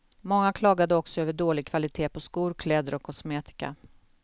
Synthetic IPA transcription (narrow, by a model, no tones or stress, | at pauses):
mɔŋːakʰlɑːɡad̪əɔksɔøːvəɖoːlɪɡ̚kʰvalɪt̪ʰeːpʰɔskuːɾkʰlɛːd̪əɾɔkʰːɔsmeːt̪ɪ̥ka̰